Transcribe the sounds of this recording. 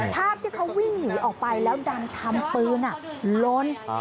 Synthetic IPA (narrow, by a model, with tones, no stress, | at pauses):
p̪ʰaː˥˩p̚t̪ʰiː˥˩kʰa˦˥wːi˥˩ŋnɯː˩˦ʔɔː˨˩k̚pa˧jlɛː˦˥wda˧nt̪ʰa˧mpɯː˧nʔa˨˩lo˦˥n